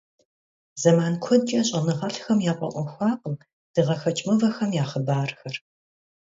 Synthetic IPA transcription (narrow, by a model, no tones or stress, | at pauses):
zɐmaːnkʷʰɔdt͡ʃʼɐɕʼɐnɨʁɐɬxɐmjaːqʷʼɔ̰ʔʷɔxʷɑːqʼəm | d̥ɨʁɐxɐt͡ʃʼmɨvɐxɐmjaːχəbaːrxɐr